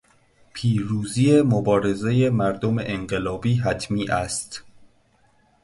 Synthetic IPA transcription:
pʰiːɾuːziːemobɒːɾe̞zejemæɾd̪omeʔeɴɢelɒːbiːɦæt̪ʰmiːʔæst̪

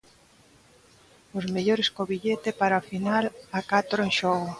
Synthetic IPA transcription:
ozmeʎoɾeskoβiʎet̪epaɾaofinalakat̪ɾoeŋʃɔɣo

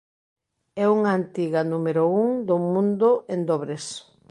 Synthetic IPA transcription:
ɛuŋɐaːnt̪iɣɐnumeɾʊuŋd̪omũnd̪ʊʔend̪ɔβɾes

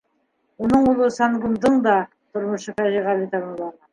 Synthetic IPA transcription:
wonəɴʊlˠəsɑnɡʊmd̪əɴd̪ɑ | t̪ʰʊɾməʃəfæʒeʁɑlˠit̪ɑɾnulˠɑɾə

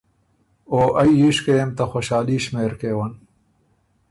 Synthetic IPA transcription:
oːʔɐjjiʂkemt̪ɐxoɕaːliːɕmeːɾkeːwɐn

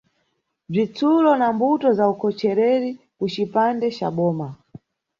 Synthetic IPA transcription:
b͡ʐit͡sʰulɔnambutɔzaukʰɔt͡ʃɛɾɛɾi | kut͡ʃipandɛt͡ʃa̰ɓɔːma

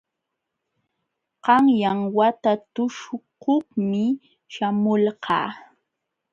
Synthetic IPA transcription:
qɑŋjaŋwat̪at̪ʊʃʊkohmɪ | ʃamʊlqɑ̰ː

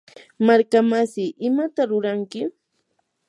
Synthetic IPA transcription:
maɾkamasɪʔɪmat̪aɾʊɾaŋkɪ

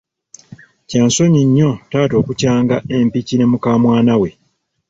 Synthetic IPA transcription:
caːnso̞ɲiɲːo̞taːto̞ːkucaːŋɡae̞mpicine̞mukaːmwaːnawe̞

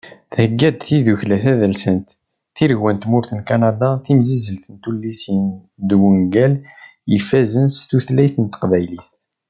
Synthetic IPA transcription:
θhəɡːæd̪θiðuçlæθæðælsənt̪ | θiɾʝwænt̪mʊɾθənkanad̪ɑθimzizəlθənt̪ulːisin | d̪wuŋɡæljəfːæzənst̪uθlæjθənt̪əqvæjliθ

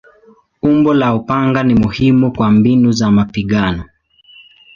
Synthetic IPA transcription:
umbɔlaupaŋɡanimuhimukwambinuzamapiɠanɔ

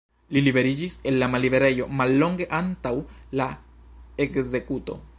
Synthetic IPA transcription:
lilibe̞ɾid͡ʒise̞lːamalːibe̞ɾe̞jo̞malːo̞ŋɡe̞ʔantawla | e̞kze̞kuto̞̰

